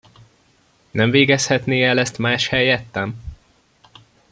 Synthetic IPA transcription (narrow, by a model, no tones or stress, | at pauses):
nɛɱveːɡɛshɛt̪neːɛlɛst̪maːʃhɛjɛt̪ːɛm